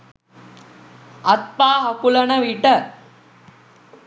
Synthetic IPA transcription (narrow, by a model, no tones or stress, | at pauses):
ɐt̪̚paːɦɐkulɐnəʋiʈə